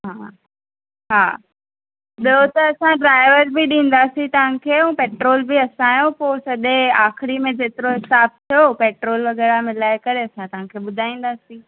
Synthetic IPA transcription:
ɦaː | ɦaː | ɓijot̪ɐɐsãɖɾaːɪʋəɾbɪɗĩːn̆d̪aːsĩt̪ɐʋ̤ãkʰeːɦũːpeːʈɾoːlbɪɐsãːjõpoːsɐɗeaːxɪɾimẽd͡ʑeːt̪ɪɾoɦɪsaːb̚t̪ʰijopeːʈɾoːlʋɐɣɛːɾamɪlaːɪkɐɾeɐsãt̪ɐʋ̤ãkʰeːɓʊd̪ʱaːĩːn̆d̪aːsĩ

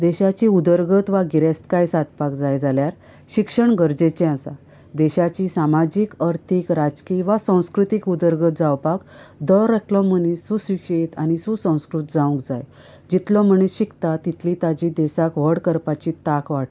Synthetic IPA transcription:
d̪ɛɕat͡ɕiud̪əɾɡət̪ʋaɡiɾest̪kajsat̪̚pakd͡zajd͡zaljaɾ | ɕikʂəɳɡəɾd͡zet͡ɕẽasa̰ | d̪ɛɕat͡ɕisamad͡ʑikəɾt̪ʰikɾad͡zkiʋasə̃w̃skɾut̪ikud̪əɾɡət̪̚d͡zawpakd̪əɾɛklɔm̤ənesusʋikʂet̪añisusə̃w̃skɾut̪d͡zaũŋkd͡za̰j | d͡ʑit̪lɔm̤əɳ̃eɕikt̪at̪it̪ʰlit̪ad͡ʑid̪ɛsakʋ̤əɽkəɾpat͡ɕit̪akʋaʈi

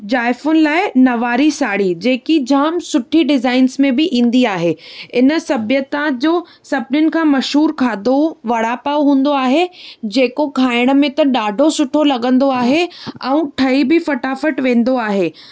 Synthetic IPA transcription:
d͡ʑaːɪfʊnɪ̆laːɪnɐʋaːɾisaːɽid͡ʑeːkid͡ʑaːmsʊʈʰiɖɪzaːɪnsmẽbɪʔĩːn̆d̪iaːɦeɪnə̆sɐbʱɪjət̪ãd͡ʑoː | sɐbʱɪnjʊnɪ̆kʰãːmɐʃɦuːɾkʰaːd̪oʋɐɽaːpaːoɦũːn̆d̪oaːɦed͡ʑeːkokʰaːɪɽ̃ə̆mẽt̪ɐɗaːɖʱosʊʈʰolɐɡə̃nd̪oaːɦeɛ̃ũʈʰɐibɪfɐʈaːfəʈʋẽːn̆d̪oaːɦeː

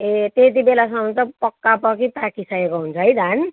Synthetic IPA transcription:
et̪et̪̬ibelasʌŋʌnt̪ʌpʌkːapʌkipakisʌekoɦunt͡sʰʌɦʌjd̪ʱan

